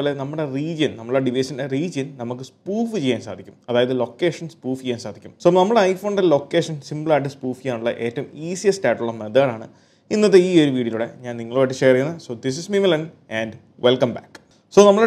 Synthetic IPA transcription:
oːle̞nɐmːuɽe̞riːd͡ʑɐnnɐmːɭɽeɖiʋɐsɐnderiːd͡ʑɐnnɐmukːɨspuːfɨt͡ɕejːaːnsa̰ːd̪ʱikʲːu̥mɐðaːjɐðɨlo̞kːeːʂɐnspuːft͡ɕejːaːnsaːd̪ʱikʲːumso̞ːnɐmːɐɽeɐjfoːɳɖlo̞kːe̞ːʂɐnsimblaːʈ̬ːɨspuːfijaːɳuɭːɐ̰ʔe̞ːtːɐumiːsijɐstaːʈɐuɭːɐmeðɐɣɐɭaːɳɨ̰ | inːɐt̪ːeiːo̞ɾuʋiːɽijɐluɽe̞̰ɲaːnniŋːɐɭoːjiʈːɨt͡ɕeːrijunːɐso̞ːd̪is̬ismimɐlɐnɖ | æːnɖ | ʋʔelkɐmba̰ːkː | so̞ːnɐmːɐɭe

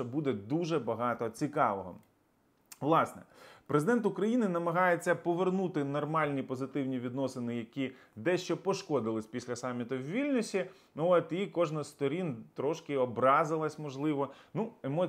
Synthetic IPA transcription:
ɔbud̪ɛd̪uʒɛbɐɦɑt̪ɔt͡sʲikɑʋɔɦɔ̰ | ʋlˠɑsnɛ̰pɾezɪd̪ɛnt̪ʊkɾɐjinɪnɐmɐɦɑjet͡sʲːɐpɔʋernut̪ɪnɔrmɑlʲnʲipɔzɪt̪ɪwnʲiʋʲid̪nɔsɪnɪjɐkʲi | d̪ɛʃt͡ʃɔpɔʃkɔd̪ɪlˠɪsʲpʲisʲlʲɐsɑmʲːit̪ʊwʋʲilʲnɔsʲi | ɔt̪ikɔʒnɐsst̪ɔɾʲint̪ɾɔʃkɪɔbɾɑzɪlˠɐsʲmɔʒlˠɪʋɔnuemɔ

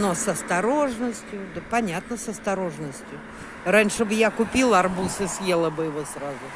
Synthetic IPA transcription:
nosɐst̪ɐɾoʐnəsʲtʲjʊd̪əpɐnʲat̪nəsɐst̪ɐɾo̞ʐnəsʲtʲjʊ | ranʲʂɨbɨjakʊpʲilˠɐrbusɨsʲjelˠəbɨjɪvosrazʊ

